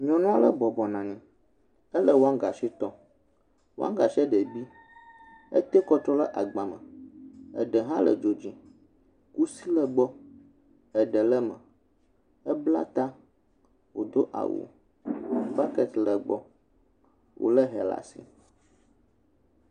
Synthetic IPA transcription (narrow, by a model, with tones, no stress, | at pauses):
ɲɔ̃˨nũ˦a˦lə˦bɔ˨bɔ˨nã˨nɛ̃˨ | ə˦lə˦wo˦a˦ɡa˨ʃi˦t̪ɔ˦ | wo˦a̰˦ɡa˨ʃɛ˦ɖɛ˨bi˦ | ə̰˦t̪ɛ˦kɔ˦t̪ɾɔ˦lə˦ʔa˨ɡ͡bã˨mə̰̃˨ | ə̰˨ɖə˨ɦã˦lə̰˨d͡ʒo˨d͡ʑĩ˨ | ku˦si˦lə˦ɡ͡bɔ˦ | ɛ˨ɖə˨lə˦mə̰̃˨ | ə˦bla̰˦t̪a˦ | wo˨d̪o˦ʔa̰˨wo̰˨ | pa˦kɛ˦t̪lə˨ɡ͡bɔ̰˦ | wʔo̰˨lə˦ɦɛ˨la̰˨sḭ˨